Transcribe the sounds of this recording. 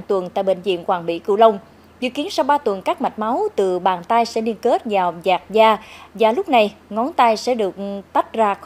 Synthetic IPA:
ŋt̪wə˨˩nt̪a̰ː˧˨jɓḛ˧˨˩nzḭ˧˨əmkwaː˨˩ŋɓḭ˧˥kɨ̰˧˩lə˧wŋ͡m | zɨ̰˧˨ki˨˦ənsa˧wɓaː˧t̪wə˨˩nkaː˦˥k̚ma˨˩t̟̚ma˨˦wt̪ɨ˨˩ɓaː˨˩nt̪aː˧jsɛ̰˧˥li˧ənke˦˥t̚zaː˨˩wzaː˨˩k̚zaː˧zaː˨˩lʊ˦˥k͡p̚na˨˩jŋɔ˨˦nt̪a˧jsɛ̰˧˥ɗɨ˨˩ək̚t̪a˦˥t̚zaː˧

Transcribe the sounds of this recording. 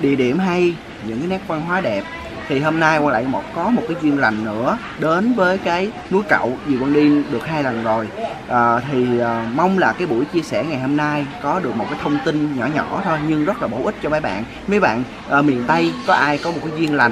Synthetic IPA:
ɗḭ˧˨əɗi˧˩əmɦa˧j | ɲɨ̰˧˥ŋkaː˨˦nɛ˦˥k̚va˧nɦwaː˨˦ɗɛ˨˩p̚ | t̪ʰi˨˩ɦo˧mnaː˧jkwaː˧la̰ː˧˨jmɔ˨˩kɔ˨˦mo˨˩t̚kaː˨˦jzwi˧ənla˨˩jŋ̟nɨ̰˧˥ə | ɗe˨˦nvəː˨˦jkaː˨˦j | nu˨˦jkə̰˧˨wzi˨˩kwaː˧nɗi˧nɗɨ˨˩k̚haː˧jla˨˩nzo˨˩j | ʔəː˨˩t̪ʰi˨˩əː˨˩ma˧wŋ͡mlaː˨˩kaː˨˦jɓṵ˧˩jt͡ɕi˧əsɛ˧˩ŋa˨˩jho˧mnaː˧jkɔ˨˦ɗɨ˨˩ək̚mo˨˩t̚kaː˨˦t̪ʰwŋ͡mt̪i˧nɲɔ̰˧˩ɲɔ˧˩˦t̪ʰo˧jɲɨ˧ŋzə˦˥t̚laː˨˩ɓo̰˧˩ʔï˦˥k̚t͡ɕɔ˧mə˨˦jɓa̰ː˧˨n | mə˨˦jɓa̰ː˧˨n | ʔəː˨˩mḭ˨˩ənt̪ə˧jkɔ˨˦ʔaː˧jkɔ˨˦mo˨˩t̚kaː˨˦zwi˧ənla˨˩ŋ

